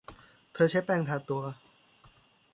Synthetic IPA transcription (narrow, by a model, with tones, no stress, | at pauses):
t̪ʰɤː˧t͡ɕʰa˦˥jpɛː˧ŋt̪ʰaː˨˧˩t̪u˧ɐ